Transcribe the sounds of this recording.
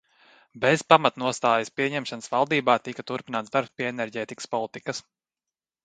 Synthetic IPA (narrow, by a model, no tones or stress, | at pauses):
bez̥pamat̪nuɔst̪aːjɐspiɛɲɛmʃanəsvalˠd̪iːbaːt̪ikɐt̪uɾpinaːt̪d̪aɾpspʲiɛenɛɾɟɛːt̪ikə̥spɔlˠit̪ikɐs